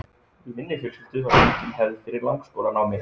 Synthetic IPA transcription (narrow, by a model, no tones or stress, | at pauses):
ɪmɪnlɪçɛlsɪlt̪ʏaicɪnɦɛvðfɪɾɪɾlawŋkskoːwlanawmɪɾ